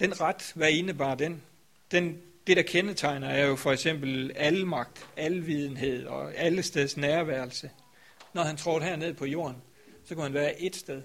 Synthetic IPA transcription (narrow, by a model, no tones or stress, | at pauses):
d̥enʁɑd̥ʋæɐe̝nəb̥ɑ̈ːd̥en | d̥end̥e̝ɾ̥ɑ̈kʰenət͡sʰɑ̈ɪnɐæɐjo̝fɒ̽eɡ̥sem̰b̥l̩ælmɑ̈ɡ̥̚d̥ælʋið̞ˠn̩ɦe̝ð̞̰ˠɒ̽æləsd̥eð̞ˠsnæːɐʋæɐlsə | nɒhænt͡sʰʁɒʊd̥ɦæɐne̝ð̰ˠpʰɒ̽jo̝̰ːɐn | sɒ̽kʰuhænʋæːɐʔe̝d̥sd̥eðˠ